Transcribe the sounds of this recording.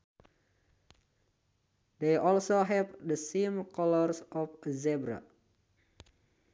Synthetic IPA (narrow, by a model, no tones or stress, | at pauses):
dejʔɔlsoɦɛvdəsemkɔlɔrsɔfzɛbɾa̰